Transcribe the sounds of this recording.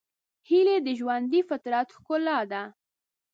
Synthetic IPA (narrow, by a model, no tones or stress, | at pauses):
hiled̪əʒwand̪ifɪt̪ɾat̪xkʊlad̪a